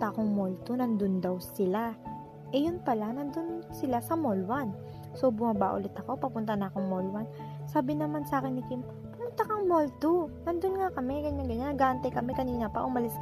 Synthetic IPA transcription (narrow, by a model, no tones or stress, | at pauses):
t̪aʔɐko̞ŋmolt̪onɐnd̪ond̪ɐwsɪla | ʔɛjʊnpɐlanɐnd̪onsɪlasɐmolwan | so̞bʊmɐbaʔʊ̰lɛt̪ɐko̞pɐpʊnt̪ɐnɐɐkoŋmolwan | saːbɪnɐmansaːkɪnːɪkɪm | pɐmʊnt̪akɐŋmolt̪onɐnd̪onŋakɐmɛɡɐɲːanɡɐɲanɐɡaːʔɐnt̪ɐjkɐmɛkɐniːnɐpɐ̰ʔʊmɐlɪs